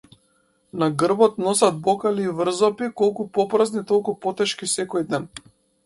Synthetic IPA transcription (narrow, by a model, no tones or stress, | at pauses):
naɡr̩bɔt̪nɔsad̪̚bɔkaliːvr̩zɔpikɔlˠkupɔpɾaznit̪ɔlˠkupɔt̪ɛʃkisɛkɔjd̪ɛn